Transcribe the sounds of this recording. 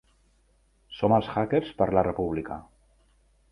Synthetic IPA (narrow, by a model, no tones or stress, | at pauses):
soməlˠsxakeɾspəɾlarəpuβ̞likə̰